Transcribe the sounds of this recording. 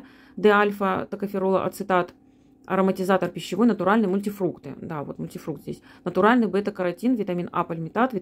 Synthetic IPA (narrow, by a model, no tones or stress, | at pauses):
d̪ɛalʲfət̪əkəfʲɪɾolˠə̰ʔɐ̰t̪sɨt̪at̪ | ɐ̰ɾəmətʲɪzat̪ərpʲɪɕːɪvo̞jnət̪ʊɾalʲnɨjmʊlʲtʲɪfɾukt̪ɨ̰d̪avo̞̰t̪mʊlʲtʲɪfɾukt̪zʲḛsʲnət̪ʊɾalʲnɨjbɨɛt̪əkəɾɐtʲinvʲɪt̪ɐmʲina̰pəlʲmʲɪt̪at̪vʲɪ